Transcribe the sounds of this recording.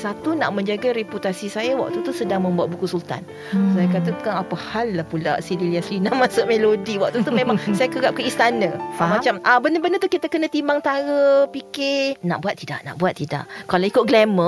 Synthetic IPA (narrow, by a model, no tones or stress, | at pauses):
sat̪una̰ʔmə̃ɲd͡ʒaɡaɾeput̪asisajawa̰ʔ̚t̪ut̪usədaŋmə̃mbuat̪̚bukusult̪a̰n | sajakat̪ət̪u̥kaŋapəhalːahpula̰ʔsililiaslinamasoʔmelodiwaʔ̚t̪ut̪ummemaŋsajakəɾap̚kəist̪anə̃mat͡ʃamabəndəbəndət̪uhkit̪akənə̃t̪imbaŋt̪aɾəpikenaʔbuat̪ːida̰ʔna̰ʔbuat̪ːida̰ʔkalaikʊt̪̚ɡlɛmə